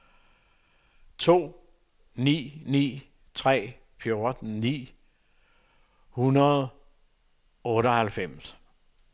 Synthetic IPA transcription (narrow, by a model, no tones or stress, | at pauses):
t͡sʰo̝̰ː | nḭːnḭː | t͡sʰʁɛ̰ː | fjo̝ɐd̥n̩nḭː | hunɐð̞̩ˠ | ɔ̽ːɾɒhælfem̰s